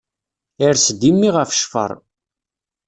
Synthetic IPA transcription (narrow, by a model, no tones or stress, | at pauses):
iɾsd̪imːiʁəfʃfə̰ɾˤ